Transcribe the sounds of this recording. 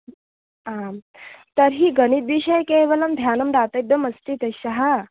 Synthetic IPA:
a | t̪əɾɦiːɡənit̪ʋiɕəjkeʋəlamd̪ʱjanəmd̪at̪əeɡ̚d̪əməst̪iːt̪əɕaɦa

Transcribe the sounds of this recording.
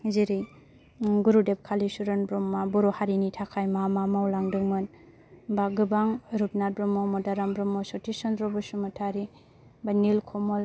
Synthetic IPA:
ziɾɯj | ɡuɾudep̚kʰalisuɾɯnbɾɔmːabɔɾɔhaɾinitʰakʰajmamamawlaŋdɯŋmɯn | baɡɯbaŋɾup̚nat̚bɾɔmɔmɔdaɾambɾɔmɔsɔtisɔnɾɔbɯsumatʰaɾi | banilkʰɔmɔl

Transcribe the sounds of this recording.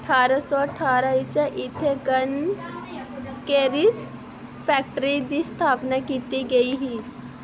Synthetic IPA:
əʈʰaːɾasɔəʈʰaːɾait͡ɕaʔit̪ʰeɡən | keɾis | fɛk̚ʈəɾid̪ist̪ʰapnakiːt̪iɡəiɦiː

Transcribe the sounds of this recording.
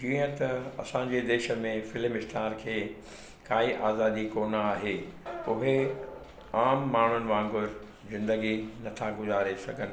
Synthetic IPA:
d͡ʑiːə̃t̪ɐɐ̰sãɲd͡ʑed̪eːʃə̆mẽfɪlmɪsʈ̪ʰaːɾkʰeː | kaːiʔaːzaːd̪ikoːnaːɦeːʊɦe | aːmːaːɳ̤ʊnɪ̆ʋãːŋɡʊɾ | zɪ̃nd̪əɡinɐt̪ʰaɡʊzaːɾesɐɡʱənɪ̆

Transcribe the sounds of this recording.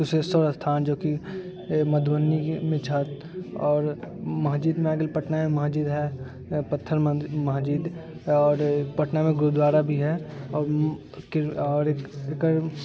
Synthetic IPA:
ʊsest̪ɔːɾəst̪ʰaːnd͡ʒoːki | mɐd̪ʱwənːimẽt͡ʃʰət̪ | ɔːɾmɐɦd͡ʒiːd̪mẽaɡelpɐʈnamẽmɐɦd͡ʒiːd̪ɦɛ | pət̪ʰːəɾmɐɦd͡ʒiːd̪ | ɔːɾpɐʈnamẽɡɾud̪ʋaːɾabʱiɦɛɔːɾ | kɔːɾekɾ

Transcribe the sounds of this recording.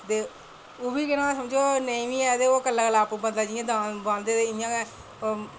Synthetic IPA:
t̪eː | obiːkɪnãːsəmd͡ʒoːnəĩːʋĩːɛːd̪eːoːkəlːaːkəlaːpubənd̪aːd͡ʒiãːd̪aːnbãːnd̪eːd̪eːɪjãːɡɛː | o

